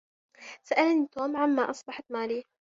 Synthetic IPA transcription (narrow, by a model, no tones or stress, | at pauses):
saʔalnit̪oːmʕamːaʔɑsˤbɑħt̪maːli